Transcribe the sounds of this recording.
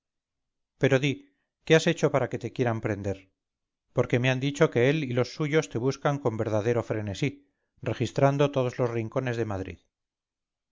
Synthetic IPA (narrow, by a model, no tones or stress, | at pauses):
pe̞ɾo̞ði | ke̞ase̞t͡ʃo̞paɾake̞t̪ekje̞ɾampɾe̞nd̪e̞ɾ | po̞ɾke̞meand̪it͡ʃo̞ke̞elilo̞sːuʝo̞st̪e̞β̞uskaŋko̞mbe̞ɾð̞aðeɾo̞fɾe̞ne̞si | re̞xist̪ɾand̪o̞t̪o̞ð̞o̞zlo̞zriŋko̞ne̞zðe̞maðɾḭð